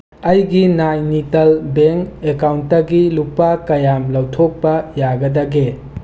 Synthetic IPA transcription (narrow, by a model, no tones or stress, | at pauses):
ɐjɡinajnitɐlbeŋkekawntːɐɡilupakɐjamlɐwtʰok̚pɐjaɡɐdɐɡe